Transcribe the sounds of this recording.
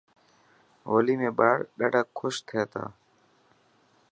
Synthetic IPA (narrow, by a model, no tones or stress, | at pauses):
oːliːmẽːɓaːɽɗaːɖʱəːkʰːʊʃt̪ʰɪjaːt̪ʰa̰ː